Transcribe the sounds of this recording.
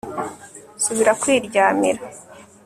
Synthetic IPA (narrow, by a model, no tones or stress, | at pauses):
suβiɾakwiːɾɟaːmiɾa